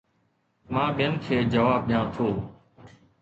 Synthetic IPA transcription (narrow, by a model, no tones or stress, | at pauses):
mãːɓɪjənkʰeːd͡ʒəʋaːb̚ɗɪjãːt̪ʰoː